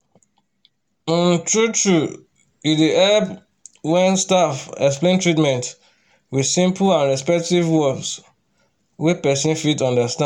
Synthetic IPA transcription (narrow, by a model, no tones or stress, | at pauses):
ĩntɹutɹu | iiʔɛb | wɛ̃nstafɛksplẽntʰɹitmɛ̃nt | wið̥sĩmpʰlãnɹɛspɛk̚tivwɔbs | wepɛsĩnfitɔ̃ndəstã